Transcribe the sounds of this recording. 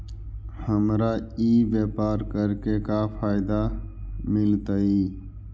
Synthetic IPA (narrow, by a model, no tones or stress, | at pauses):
həmɾaiːʋeːpaːɾkəɾkekapʰaːɪd̪amɪlt̪əiː